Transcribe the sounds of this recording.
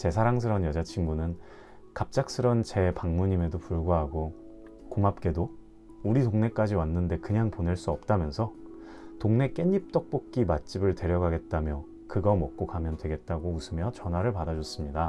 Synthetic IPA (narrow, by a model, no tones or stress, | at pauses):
t͡ɕe̞s̬ʰaɾaŋs̬ʰɯɾʌnjʌd͡ʑat͡ɕʰinɡunɯn | kap̚t͡ɕ͈ak̚s͈ʰɯɾʌnt͡ɕe̞paŋmuɲime̞dopuɭɡwaɦaɡo | komap̚k͈e̞do | uɾitoŋne̞k͈ad͡ʑiwanːɯnde̞kɯɲaŋponeɭs͈uʌp̚t͈amjʌnsʰʌ | toŋne̞k͈e̞ɲip̚t͈ʌk̚p͈ok̚k͈imat͡ɕ͈ibɯɭte̞ɾjʌɡaɡe̞t̚t͈amjʌ | kɯɡʌmʌk̚k͈okamjʌndwe̞ɡe̞t̚t͈aɡousʰɯmjʌt͡ɕʌnwaɾɯɭpadad͡ʑʌs͈ɯmɲida